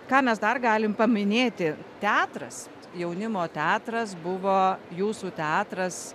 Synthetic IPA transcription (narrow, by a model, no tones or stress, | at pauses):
kɑːmʲɛsd̪ɐrɡɑːlʲɪmpɐmʲɪnʲeːt̪ʲɪt̪ʲæːt̪rɐs | jɛʊnʲɪmoːt̪ʲæːt̪ɾɐsbʊʋoːjuːsuːt̪ʲæːt̪ɾɐs